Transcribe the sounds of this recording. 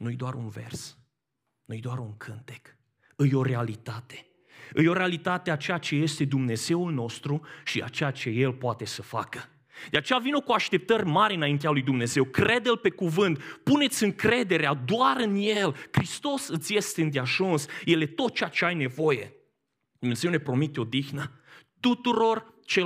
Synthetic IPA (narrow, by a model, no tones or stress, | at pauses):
nuɨjd̪oaɾunve̞̰rs | nujd̪oaɾuŋkʰɨnt̪e̥k | ɨjo̞ɾe̞alit̪at̪e̥ | ɨjo̞ɾealit̪at̪eat͡ʃejat͡ʃe̞je̞st̪e̞d̪umne̞ze̞ulno̞st̪ɾuʃia̰t͡ʃejat͡ʃe̞je̞lpoat̪e̞səfa̰kə | d̪̥eat͡ʃe̞javinokuaʃt̪e̞p̚t̪ərʲmaɾʲɨnaint̪̬ealujd̪umne̞ze̞wkɾe̞d̪elpe̞kuvɨnt̪pune̞t̪sʲɨŋkɾe̞d̪e̞ɾead̪oaɾɨnje̞lkɾist̪o̞sɨt̪sje̞st̪eɨnd̪eaʒunsje̞le̞t̪o̞t̪̚t͡ʃejat͡ʃe̞ajne̞vo̞je̞̰ | d̪umnezewne̞pɾo̞mit̪eo̞d̪ixnət̪ut̪uɾo̞r | t͡ʃe